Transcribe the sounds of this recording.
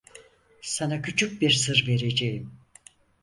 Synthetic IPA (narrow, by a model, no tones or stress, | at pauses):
sanacʰyt͡ʃʰyc̚biɾsɯɾve̞ɾe̞d͡ʒejim